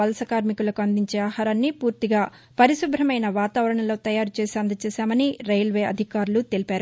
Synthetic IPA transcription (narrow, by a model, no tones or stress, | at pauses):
ɐlɐsɐkaːɾmikulɐkuɐnd̪iɲt͡ʃeːaːɦaːɾaːnːipuːɾt̪iɡaː | pɐɾiʃubʱɾɐmɐjnɐʋaːt̪aːʋɐɾɐɳɐlo̞ːt̪ɐjaːɾut͡ʃe̞ːsiɐnd̪ɐt͡ʃɛːsaːmɐniɾɐjlʋe̞ːɐ̰d̪ʱikaːɾulut̪e̞lipaːɾu